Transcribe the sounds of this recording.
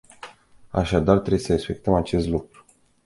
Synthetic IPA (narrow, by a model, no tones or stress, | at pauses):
a̰ʃad̪art̪ɾebujsəespe̞k̚t̪əmat͡ʃe̞st̪lukɾu̥